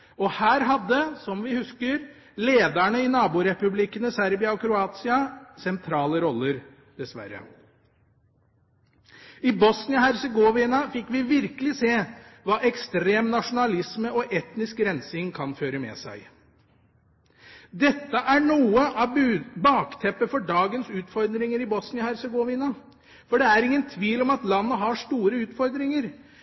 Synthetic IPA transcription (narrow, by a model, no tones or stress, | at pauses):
ɔhæːɾɦɑd̪ːəsɔmʋɪhʉskəɾ | leːd̪æɳəɪnɑːbuːɾɛpʉblɪkənəsæɾbɪɑɔkʰɾʊɑːt̪sɪɑsɛnt̪ʰɾɑːləɾɔlːəɾ | d̪̥ɛsʋæ̰ɾə̰ | ɪbɔsnɪɔhæɾsɛɡoːʋɪnɑfɪkːʋɪʋɪɾkəlɪseːʋɑːʔɛkst̪ɾeːmnɑʂʊnɑlɪsməɔʔɛt̪nɪskɾɛnsɪŋkʰɑnføːɾəmɛ̰sæ̰ɪ | d̪ɛt̪ːəʔæɳuːəʔɑbbɑːkt̪ʰɛpːəfɔɖɑːɡənsʉːt̪fɔɾd̪ɾɪŋəɾɪbɔsnɪəhæɾsəɡoʋɪnɑ | fɔɖɛæɾɪŋːənt̪ʰʋiːlɔmɑt̪lɑnːəɦɑʂt̪uːɾəʉːt̪fɔɾd̪ɾɪŋəɾ